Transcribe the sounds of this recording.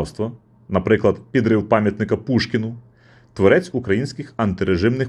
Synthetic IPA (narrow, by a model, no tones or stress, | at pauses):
wst̪ʋɐ | nɐpɾɪklˠɐd̪pʲid̪ɾɪwpɑmʲjɐt̪nɪkɐpuʃkʲɪnʊ | t̪ʋɔɾɛt͡sʲukɾɐjinʲsʲkɪxɐnt̪ɪɾeʒɪmnɪx